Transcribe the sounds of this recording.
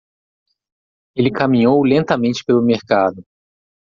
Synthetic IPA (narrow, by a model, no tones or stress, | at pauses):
elɪkamĩɲowlẽnt̪ɐmẽnt͡ʃɪ̥pelʊmeɾkad̪ʊ